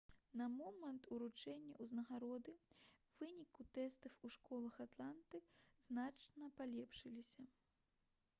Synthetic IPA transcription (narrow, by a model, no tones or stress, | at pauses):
nɐmɔmɐnt̪uɾut͡ʂɛnʲːɐ̰ʔuznɐɣaɾɔd̪ɨ | vɨnʲikut̪ɛst̪ɐfuʂkɔlˠɐxat̪lˠant̪ɨznat͡ʂnɐpalʲɛpʂɨlʲisʲɐ